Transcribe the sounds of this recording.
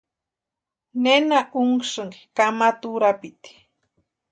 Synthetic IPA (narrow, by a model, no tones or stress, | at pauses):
nenaʔuŋʂɨŋkamat̪uɾapit̪i̥